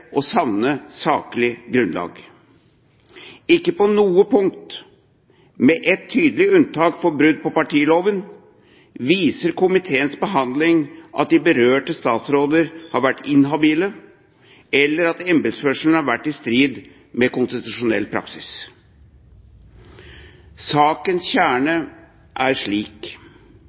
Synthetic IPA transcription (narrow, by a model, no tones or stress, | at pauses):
ʔɔsɑʋnəsɑːklɪɡɾʉnlɑ̰ːɡ | ɪkːəpɔnuːəpʰʊŋt̪ | mɛʔɛt̪ʰːyːd̪əlɪʉnt̪ʰɑːkfɔɾbɾʉd̪̚pɔpɑʈʰiːloːʋən | ʋiːsəɾkʰʊmɪt̪ʰeːənsbəɦɑnd̪lɪŋʔɑ̰t̪̚d̪ɪbəɾøːʈəst̪ɑːt̪sɾoːd̪əɾhɑɾʋæʈːɪnɦɑbiːlə | ɛlːəɾɑt̪ɛmbɪd̪sfœʂlnəhɑɾʋæʈːɪst̪ɾiːd̪ | mɛkʊnst̪ɪt̪ʉʂʊnɛ̰lːpʰɾɑ̰ksɪs | sɑːkənsçæːɳə | ʔæɾʂɭiːk